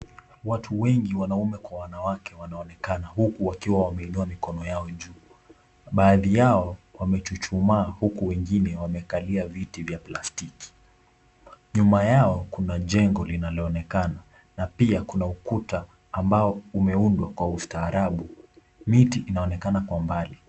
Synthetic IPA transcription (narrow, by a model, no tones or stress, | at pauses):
watʰuwɛŋɡiwanaumɛkwawanawakʰɛwanaɔnɛkanahukuwakiwawamɛinuamikɔnɔjaɔʄuː | ɓaːðijaɔwamɛt͡ʃut͡ʃumaːhukuwɛŋɡinɛwamɛkaliavitivjaplastiki̥ | ɲumajaɔkunaʄɛŋɡɔlinalɔːnɛkana | napiakunaukutaː | mbaɔumɛundwakwaustaːɾaɓu | mitiʔinaɔnɛkanakwambali